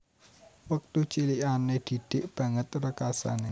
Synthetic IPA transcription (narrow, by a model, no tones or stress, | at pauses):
wək̚t̪ut͡ʃiliʔaned̪̥i̤d̪̥ɪʔb̥ä̤ŋət̪rəkasa̰ne